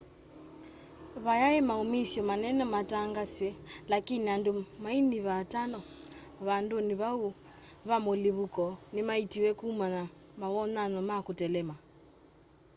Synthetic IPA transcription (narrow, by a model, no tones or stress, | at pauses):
βajaɛmaumisjɔmanɛnɔmataŋɡaswɛlakiniandumainiβatanɔ | βanduniβau | βamoliβukɔnimaitiwɛkuːmana | maβɔnanɔmakutɛlɛma